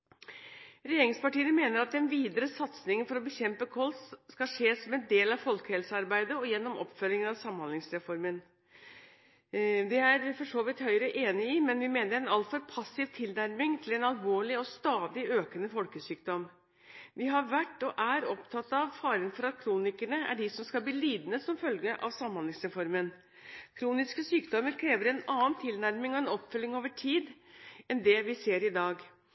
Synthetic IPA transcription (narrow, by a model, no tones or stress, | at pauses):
ɾɛjeːɾɪŋspɑʈiːəmeːnəɾɑt̪̚d̪ɛnʋiːd̪əɾəsɑt̪snɪŋənfɔɾɔbəçɛmpəkʰɔlsskɑʂeːsɔmɛnd̪eːlɑʋfɔlkəhɛlsəɑɾbæɪd̪əɔjɛnːɔmʔɔ̰pːfœlɪŋənɑʋsɑmːɑnɪŋsɾɛfɔɾmən | d̪ɛæɾfɔʂoːʋɪt̪hœʏɾəʔeːnɪɪmɛnʋɪmeːnəɾɛnɑlt̪fɔɾpʰɑsːɪʋt̪ʰɪld̪æɾmɪŋt̪ʰɪlɛnɑlʋoːɭɪɔst̪ɑːd̪ɪøːkənəfɔlkəsyːkd̪ɔm | ʋɪɦɑɾʋæʈːɔʔæɾɔpt̪ʰɑt̪ːɑʋfɑːɾənfɔɾɑt̪kʰɾuːnɪkəɳəæ̰ɖɪsɔmskɑlb̪iːliːd̪nəsɔmfœlɡəʔɑ̰ʋsɑmhɑnɪŋsɾɛfɔɾmən | kʰɾuːnɪskəsyːkd̪ɔməɾkʰɾeːʋəɾɛnɑːənt̪ʰɪlnæɾmɪŋɔɛnɔpːfœlːɪŋoːʋəʈʰiːd̪ɛnd̪ɛʋɪseːɾɪd̪ɑːɡ